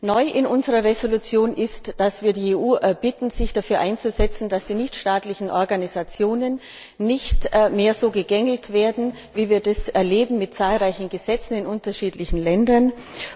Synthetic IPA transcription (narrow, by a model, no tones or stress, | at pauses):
nɔʏʔɪnʔʊnzəʁɐʁezolut͡sjoːnʔɪstd̥asv̥iːɐdiːeːʔuːʔɛɐbɪtn̩z̥ɪçd̥afyːɐʔaɪnt͡suzɛt͡sn̩d̥asd̥iːnɪçtʃtaːtlɪçn̩ʔɔɐɡanizat͡sjoːnənː | ɪçtmeːɐzoːɡəɡɛŋl̩tv̥eːɐdn̩ | viːviːɐdasʔɛɐleːbm̩mɪt̚t͡saːlʁaɪçn̩ɡəz̥ɛt͡sn̩ɪnʔʊntɐʃiːtlɪçn̩lɛndɐn